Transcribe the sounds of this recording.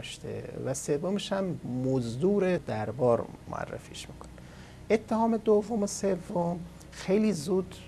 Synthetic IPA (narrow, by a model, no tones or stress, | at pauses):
ʃt̪ʰḛvæsevːomeʃæmːozd̪uːɾed̪æɾbɒːɾmo̰æ̰rːḛfḭːʃmiːkʰo̥ne | ʔet̪ʰːehɒːmed̪ovːomosevːom | xe̞jliːzuːd̪